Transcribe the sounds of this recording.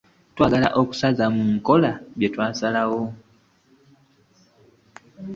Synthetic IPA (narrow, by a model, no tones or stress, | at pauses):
twaːɡala̰ʔoku̥sazamuŋko̞laβjetwaːsalawo